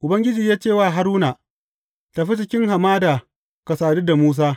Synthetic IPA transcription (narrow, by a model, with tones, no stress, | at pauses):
ʔʊ˨bɐ˦ŋɡʲɪ˦d͡ʒiː˨jaː˦t͡ʃeː˦˨waː˦˨ɦa˦ɾuː˦naː˨ | ta˨ɸi˦t͡ʃ̬ɪ˨kʲɪ˦ŋɦa˨maː˦daː˨ | kɐ˨saː˨du˦da˨muː˦s̬aː˦